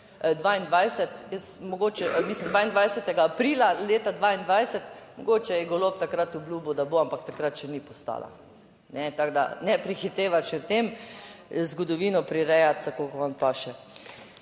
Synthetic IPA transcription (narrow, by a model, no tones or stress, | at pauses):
d̪ʋaind̪ʋajsɛt̪jɛsmɔɡoːt͡ʃɛmisləmd̪ʋaːind̪ʋajsɛt̪ɛɡaːpɾiːlaleːt̪ad̪ʋaːind̪ʋajsɛt̪mɔɡoːt͡ʃɛjɛɡolopt̪akɾat̪ʊbluːbud̪aboampak̚t̪akɾat̪ʃɛnipɔst̪a̰ːla̰ | nɛt̪aɡd̪a̰nɛpɾixit̪eːʋat͡ʃɛt̪em | zɡɔd̪ɔʋinɔpɾiɾɛjat̪ːakokɔʋanpaʃɛ